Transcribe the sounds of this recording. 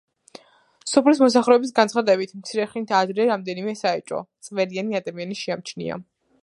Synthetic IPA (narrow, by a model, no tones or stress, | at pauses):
sɔpʰlis̬mɔs̬aχɾɛɔbis̬ɡansʰχad̪ɛbit̪ʰmt̪sʰiɾɛχlint̪ʰad̪ɾɛɾamd̪ɛnimɛsaɛt͡ʃʼɔ̰t̪sʼvɛɾianiad̪amianiʃiamt͡ʃʰnḭa̰